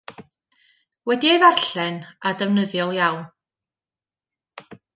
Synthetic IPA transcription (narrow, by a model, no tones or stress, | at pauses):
wɛdiejvaɬɛnadəvnəðjɔlˠjawn